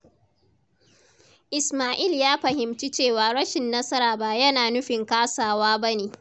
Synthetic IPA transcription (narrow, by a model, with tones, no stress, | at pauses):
ʔɪ˨smaː˨ʔi˦˨ljaː˦ɸɐ˨hɪ˨mt͡ʃi˦t͡ʃeː˦˨waː˨ɽɐ˦ʃɪ˨nːɐ˦sɐ˦ɾaː˨baː˦jɐ˦naː˨nʊ˦ɸɪ˨ŋkaː˦saː˨waː˦bɐ˦neː˨